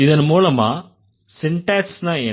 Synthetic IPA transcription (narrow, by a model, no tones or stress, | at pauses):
ɪðɐnmuːlɐma̰ː | sɪɳʈɛːksnãːeː